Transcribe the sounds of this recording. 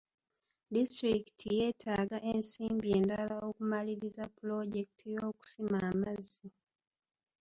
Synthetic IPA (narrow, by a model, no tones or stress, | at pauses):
distɾiki̥tʰijeːtʰaːɡaʔensiːmbieːndalao̞kumaliɾizapulo̞ɟe̞ki̥tʰijo̞ːku̥simaːmazːi